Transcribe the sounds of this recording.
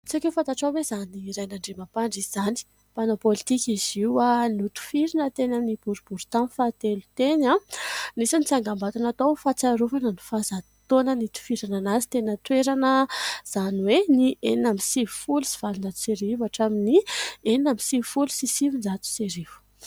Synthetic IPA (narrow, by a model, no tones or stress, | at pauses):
t͡sakewfãnt̪aʈ͡ʂawezaniːɾajnaɳɖ͡ʐemapaɳɖ͡ʐiz̥ani̥ | panopolit̪ikʲiziwanut̪u̥fiɾinət̪enaminib̥uɾub̥uɾu̥t̪amfat̪elut̪enanisinit͡saŋɡambat̪anat̪owfat͡saɾuvanəni̥fazat̪onənit̪u̥fiɾananazi̥t̪enət̪weɾanəz̥aniwenieinamisivufulusi̥v̥alund͡zat̪u̥seɾivaʈ͡ʂaminienamisivufulusisivind͡zat̪u̥seɾivu̥